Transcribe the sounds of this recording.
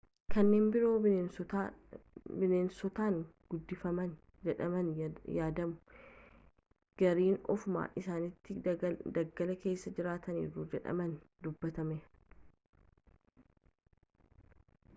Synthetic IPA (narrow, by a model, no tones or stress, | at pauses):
kɐnːeːnbɪɾo̞ːɪen | bɪneːnsɔt̪aːŋɡ̥ʊd̪ːɪfɐmɐn | d͡ʒɛᶑɐmɐnjaːd̪ɐmʊ̥ | ɡ̥ɐɾiːnɔ̰fʊma̰ːʔɪsaːnɪt̪ːɪd̪ɐɡːɐlɐke̞ːsːɐd͡ʒɪɾaːt̪ɐnḭːrːud͡ʒɛᶑɐ̰mɐnd̪ʊbːɐt̪ɐmɛ